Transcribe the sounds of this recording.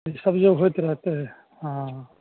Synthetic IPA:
isɐbd͡ʒobɦojt̪ɾɛɦt̪eɦɛ | ɦã

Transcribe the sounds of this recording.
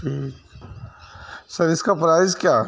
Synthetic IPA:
ʈʰiːk | sɐɾɪskapɾaːɪskjaː

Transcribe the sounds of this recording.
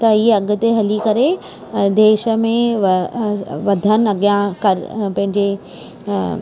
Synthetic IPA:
t̪ɐiːɐɠʊ̆t̪eɦɐlikɐɾe | d̪eːʃə̆mẽ | ʋɐd̪ʱənɪ̆ɐɠjãkɐɾpɐ̃ɦɪ̃ɲd͡ʑe

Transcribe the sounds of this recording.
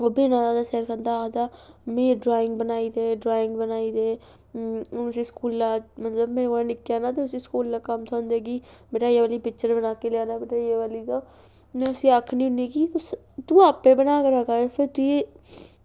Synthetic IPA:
oːbeːnaːd̪aːd̪aːsɛːɾkʰə̃nd̪ad̪aːmẽːɖɾaːɪ̃ŋɡbənaːiːd̪eːɖɾaːɪ̃ŋɡbənaːiːd̪eː | siːskuːlːaːmət̪ləbmeːɾeɡõːnɪkjaːnaːt̪̬eʊsiːskuːlːaːkəmt̪ʰoːnd̪eːɡiːbeːʈaːjeʋaːliːpɪkt͡ʃəɾbənaːkelɪjaːnaːbeʈaːjeʋaːliːt̪oː | nʊsĩːaːkʰniːʊneːkit̪os | t̪ũːaːpːeːbənaːkəɾaːkaːepʰɪɾt̪ujeː

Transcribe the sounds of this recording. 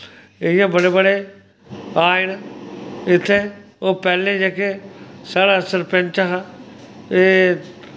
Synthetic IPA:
ɪjãːbəɽeːbəɽeː | aːɪn | ɪt̪ʰːeː | oːpɛːlẽːd͡ʒekeːsaːɽaːsəɾpɛ̃nt͡ʃaɦa | eː

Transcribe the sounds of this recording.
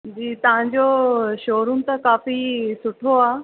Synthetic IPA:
d͡ʑiːt̪ɐʋ̤ãɲd͡ʑoʃoːɾun̆t̪ɐkaːfisʊʈʰoaː

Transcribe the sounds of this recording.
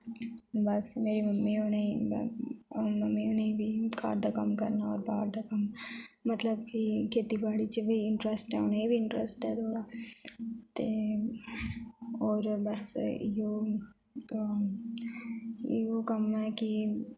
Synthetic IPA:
bɐsmeːɾimɐmːioːnei | mɐmːiʊneibʱika̰ːɾd̪ʱakɐ̰mkɐ̰ɾnaɔ̰ːɾbaːɾd̪akɐmːɐt̪ləb̚kikʰeːt̪ibaːɽit͡ʃiʋɐiɪɳʈɾəsʈɦɛoːneibʱiɪɳʈɾəsʈɦɛd̪ʱoːdaː | t̪e | ɔːɾbɐsjo | okɐmɦɛki

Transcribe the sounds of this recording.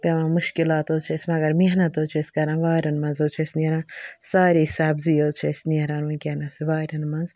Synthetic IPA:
pʲɐʋãmuʃkilaːt̪ot͡ʃʰesʲmɐɡɐɾmiɦnɐt̪oːt͡ʃʰeskɐɾɐ̃nʋaːɾɐnmɐ̃nzoːt͡ʃʰesʲniɾãːnsaːɾisaːbzioːt͡ʃʰesniɾaːnɐ̃kʲenɐsiʋaːɾɐnmɐnz

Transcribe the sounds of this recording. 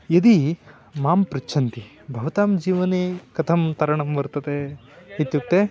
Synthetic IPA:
jɐd̪i | maːmpɾitːt͡ʃʰɐnt̪i | bʱɐʋɐt̪aːmd͡ʒiːʋɐneːkɐt̪ʰɐmt̪ɐɾɐɳɐmbɐɾt̪ɐd̪e | it̪juk̚ʈ̪e

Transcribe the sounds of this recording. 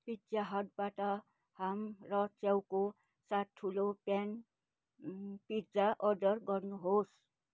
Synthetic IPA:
pid͡zaɦʌʈ̚baʈʌ | hamrʌt͡sjawko | sat̪ʰulopjan | pid͡zaʔʌrɖʌrɡʌrnuɦos

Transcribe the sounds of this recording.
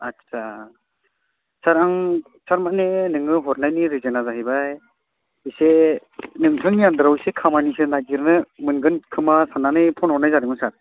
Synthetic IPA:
atsa | saɾaŋ | saɾmanenɯŋɯɦɔɾnajniɾizɯnazaɦibaj | ise | nɯŋtʰɯŋjandɾawisekʰamanisenaɡiɾnɯmɯnɡɯnkʰɯmasananɯjpʰɔnhɔɾnajzaɾɯŋɯsaɾ

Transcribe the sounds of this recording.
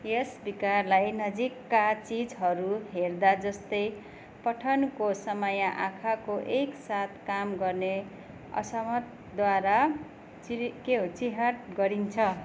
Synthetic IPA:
jesbikarlajnʌd͡zikːat͡sid͡zɦʌɾuɦerd̪ad͡zʌst̪ʌj | pʌʈʰʌnkosʌmʌjaʔakʰakoʔeksat̪̚ʰkamɡʌrne | ʌ̰sʌmʌt̪ | d̪waɾa | ikeɦot͡siɦaʈ̚ɡʌɾint͡sʰʌ

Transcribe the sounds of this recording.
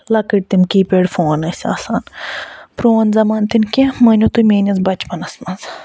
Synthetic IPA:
lɐkiʈ̚t̪imkiːpeːɽfoːnɐsʲa̰ːsaːnpɾoːnzɐmaːnt̪inkʲemɐnʲot̪umeːnʲɐzbɐt͡ʃpɐnɐsmɐnz

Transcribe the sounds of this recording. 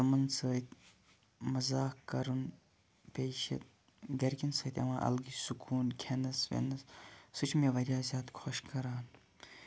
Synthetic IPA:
ɐmɐnsʰəːt̪ | mɐzaːkkːɐɾun | pʲeːʃɐ̰t̪̚ | ɡɐɾkʲinsəːt̪ʲɐ̰mãːʔɐ̰lɡisukʰuːnkʲʰenɐsʋḛnɐssut͡ʃʰmeʋɐɾʲjaːzʲjaːt̪kʰoʃkɐɾaːn

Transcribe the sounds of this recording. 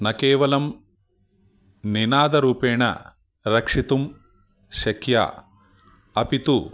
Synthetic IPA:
nɐkeːʋɐlɐm | ninaːd̪ɐɾuːpeːɳɐ̰ | ɾɐkʂit̪um | ʃɐkja̰ | ɐpit̪u

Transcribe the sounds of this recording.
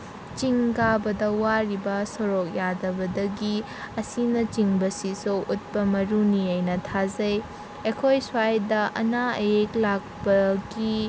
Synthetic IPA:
t͡ʃiŋkabɐdɐwaɾibɐsoɾok̚jadɐbɐdɐɡi | ɐsinɐt͡ʃiŋbɐsisoʔut̚pɐmɐɾuniɐjnɐtʰazɐj | ekʰojswajdɐʔɐ̰naɐ̰jeklak̚pɐɡi

